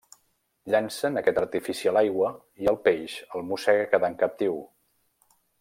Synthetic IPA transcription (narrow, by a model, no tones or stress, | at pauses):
ʎansənəkɛt̪ərt̪ifisiəlajɣwə | iəlˠpeʒəlˠmusɛɣəkəðaŋkəp̚t̪iw